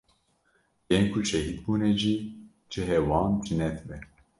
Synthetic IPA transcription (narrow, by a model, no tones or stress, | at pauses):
jɛŋkʰuʃɛɦid̪buːneʒiː | d͡ʒɨɦɛwɑːnd͡ʒɨnɛt̪ʰbɛ